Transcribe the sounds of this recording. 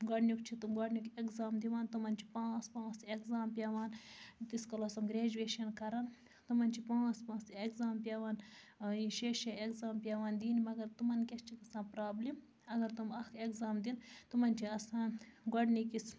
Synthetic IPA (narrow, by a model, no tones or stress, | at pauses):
ɡɐɖnʲukt͡ʃʰit̪umɡɐɖnikekzaːmd̪iʋaːnt̪umɐnt͡ʃʰi̥pãːspãːsekzaːmpʲaːʋaːnt̪iskɐloːsɐmɡɾeːd͡ʒueːʃɐnkɐɾɐn | t̪umɐnʲt͡ʃʰipãːspãːsekzaːmpʲjaːʋaːniʃeʃɐekzaːmpʲjaːʋaːnd̪iːnimɐɡɐɾt̪umɐnkʲɐst͡ʃʰikɐsãːpɾaːblim | ɐɡɐɾt̪umɐkʰekzaːmd̪int̪umɐnt͡ʃʰiɐsãːnɡɐɖnikis